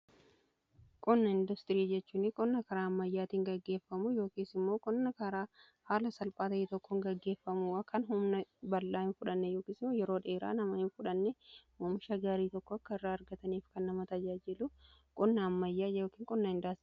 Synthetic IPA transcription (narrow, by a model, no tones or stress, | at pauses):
kʼɔnːɐɪnd̪ʊst̪ɪɾiːd͡ʒɛt͡ʃːuːnɪkʼɔnːɐkɐɾaːɐmːɐjːaːt̪iːŋɡɐɡːe̞ːfːɐmujo̞ːkiːsɪmːo̞ːkʼɔnːɐkɐɾaː | haːlɐsɐlpʼaːt̪ɐeːt̪ɔkːɔŋɡɐɡːe̞ːfːɐmuːɐkʰɐnɦʊmnɐbɐlːaːɪnfʊᶑɐnːɛjoːkiːsɪmːoːjɛɾo̞ːᶑɐeːɾa̰ːnɐmɐɪnfʊᶑɐnːɛmɔːmɪʃɐɡaːɾiːt̪ɔkːɔɐkːɐɪrːaːɐɾɡɐt̪ɐniːfkɐnːɐmɐt̪ɐd͡ʒaːd͡ʒɪlʊkʼɔnːɐːmːɐjːaːjo̞ːkiːŋkʼɔnːɐɪnd̪aːs